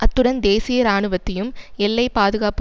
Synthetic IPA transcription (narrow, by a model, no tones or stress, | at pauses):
ʔɐt̪ːɯɽɐnd̪eːsɪjɐɾaːɳɯʋɐt̪ːɐjɯmɛlːɐɪpaːðɯɣaːp